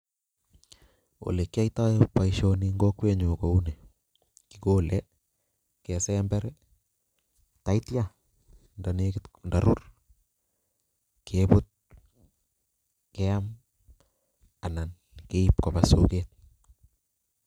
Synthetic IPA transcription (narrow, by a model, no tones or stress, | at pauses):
o̰lekːiajtajpːaiʃoniŋɡokweɲokoune | kikolʔɛ | kɛsɛmbɛɾɛ | taitja | ndanekɪtndaɾur | kʰepʊt̚ | kɛam | anan | keipkopaso̰keːt̪̚